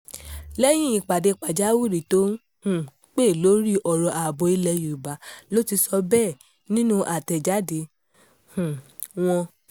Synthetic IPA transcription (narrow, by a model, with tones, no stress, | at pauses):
lɛ˦j̃ĩ˦i˧˨k͡pa˨de˧k͡pa˨d͡ʒa˨˦wu˦˨ɾi˨to˦n˦ | hũ˦˨ | k͡pe˦˨lo˨˦ɾi˦ʔɔ˨ɾɔ˧ʔa˨bo˧i˧lɛ˧ju˨ba˨˦lo˦ti˧sɔ˧bɛː˦˨ | nĩ˦nũ˦ʔa˨tɛ˨d͡ʒa˨˦de˧˦ | hũ˨ | w̃ɔ̃˧